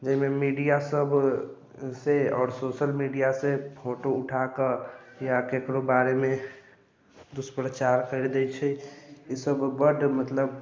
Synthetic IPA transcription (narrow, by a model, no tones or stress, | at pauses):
d͡ʒəɦimemiɖijasəbʱ | seɔːɾsosəlmiɖijasepʰoʈouʈʰakəjakekɾobaɾeme | d̪uspɾət͡ʃaɾkəɾd̪ɛt͡ʃʰɛisəbbəɖmət̪ləb